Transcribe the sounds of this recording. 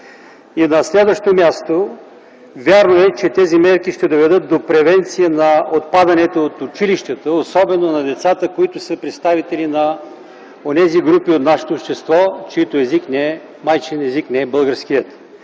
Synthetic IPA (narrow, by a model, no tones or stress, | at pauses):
inɐslɛd̪vəʃt̪omʲjast̪o | vʲaɾnoɛt͡ʃɛt̪ɛzimɛɾkiʃt̪ɛd̪ovɛd̪ɤt̪̚d̪opɾɛvɛnt̪sijənɐot̪̚pad̪ɐnɛt̪oːt̪ʊt͡ʃiliʃt̪ət̪əosɔbɛnonɐd̪ɛt̪sat̪əkoit̪ʊsəpɾɛt̪st̪avit̪ɛlinɐ | onɛziɡɾupiot̪naʃɛ̥t̪oːpʃt̪ɛst̪vɔt͡ʃiit̪oɛziknɛɛ | majt͡ʃɛnɛziknɛɛbɤlˠɡəɾsk̟ijət̪